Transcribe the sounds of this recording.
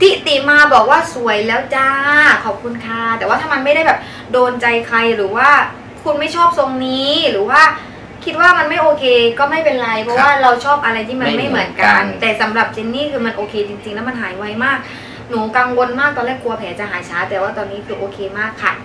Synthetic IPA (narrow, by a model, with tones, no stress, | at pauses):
t̪ʰiː˥˩t̪iː˨˩maː˧bɔː˨˩k̚waː˥˩su˨˩˦əjlɛː˦˥wt͡ɕaː˧˥˩kʰɔː˨˩p̚kʰu˧nkʰaː˥˩t̪ɛː˨˩waː˥˩t̪ʰaː˥˩ma˧nma˥˩jɾa˥˩jbɛː˨˩p̚ | doː˧nt͡ɕa˧jkʰa˧jɾɯː˩˦waː˥˩ | kʰu˧nma˥˩jt͡ɕʰɔː˥˩p̚so˧ŋniː˦˥ɾɯː˩˦waː˥˩ | kʰi˦˥t̪̚waː˥˩ma˧nma˥˩jʔoː˧kʰeː˧kɔː˥˩ma˥˩jpe˧nɾa˧jpʰɔ˦˥waː˥˩ɾa˧wt͡ɕʰɔː˥˩p̚ʔa˧ɾa˧jt̪ʰiː˥˩ma˧˥˧nma˥˩mɯ˩˦ənka˧nt̪ɛː˨˩sa˩˦mɾa˨˩p̚t͡ɕe˧nːiː˥˩kʰɯː˧ma˧nʔoː˧kʰeː˧t͡ɕi˧ŋt͡ɕi˧ŋlɛː˦˥wma˧nɦaː˨˩˦jwa˦˥jmaː˥˩k̚ | nuː˨˩˦ka˧ŋwo˧nmaː˥˩k̪̚ɔː˧lɛː˥˩kʰːu˧ɐpʰɛː˩˦t͡ɕa˨˩ɦaː˩˦jt͡ɕʰaː˦˥t̪ɛː˨˩waː˥˩t̪ɔː˧nːiː˦˥u˧˩ʔoː˧kʰeː˧maː˥˩kʰːa˥˩